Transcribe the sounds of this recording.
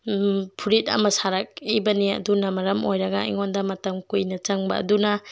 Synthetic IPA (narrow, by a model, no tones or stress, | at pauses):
pʰuɾit̚ɐ̰mɐsaɾɐk̚ibɐniɐ̰dunɐmɐɾɐmojɾɐɡɐ̰ḭŋondɐmɐtɐmkujnɐt͡ʃɐŋbɐ̰ːdunɐ